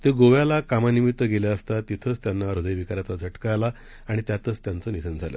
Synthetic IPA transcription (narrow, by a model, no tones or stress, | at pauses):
t̪eɡoʋjalakamanimit̪ʋəɡeljaəst̪at̪it̪ʰət͡st̪janːaɾod̪əjʋikaɾat͡sad͡zʱəʈkajla | aɽ̃it̪jat̪ət͡st̪jant͡səːnit̪ʰənd͡zʱaljə̰